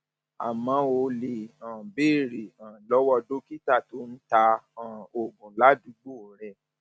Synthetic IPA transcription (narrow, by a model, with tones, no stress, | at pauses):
a̰˨mã˨˧˦o˧le˨ã˨be˦˨ɾi˨ã˨lɔ˨˦wɔ˧˨do˦ki˦ta˦˨to˨˦n̩˦ta˧ã˨o˨ɡũ˨la˨˦du˨˦ɡ͡bo˦˨˦ɾ̃ɛ̃˨